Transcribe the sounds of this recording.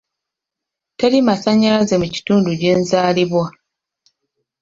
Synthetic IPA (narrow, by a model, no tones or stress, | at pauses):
telimasaɲːalaze̞muci̥tuːnduɟe̞ːnzaːliβwa